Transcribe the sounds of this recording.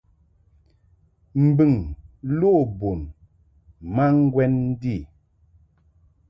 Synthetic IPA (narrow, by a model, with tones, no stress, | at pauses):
m̩˨bɨ˨ŋlo˦˨bo˨n | ma˦ŋ̩˦ɡwɛ˦nn̩˦di˦˨